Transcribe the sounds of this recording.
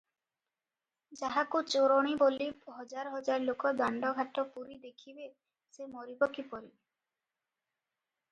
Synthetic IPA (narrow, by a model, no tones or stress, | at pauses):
d͡ʒaɦakut͡ʃoɾɔɽ̃iboliɦɔd͡ʒaɾɔɦɔd͡ʒaɾlokɔd̪aɳɖɔɡʱaʈɔpuɾid̪ekʰibe | semoɾibɔkipɔɾibe